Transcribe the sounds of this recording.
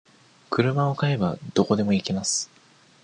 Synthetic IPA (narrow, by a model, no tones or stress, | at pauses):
kɯ̟ɾɯ̟mao̞kae̞bad̪o̞ko̞d̪e̞mo̞ikimasɨ̥